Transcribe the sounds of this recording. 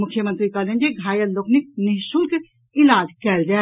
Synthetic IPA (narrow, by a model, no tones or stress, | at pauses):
mʊkʰjəmə̃nt̪ɾikaːlẽnd͡ʒiɡʱaːjɐnloːknik̚nɪɦsulke | ɪlaːd͡ʒkɛːld͡ʒa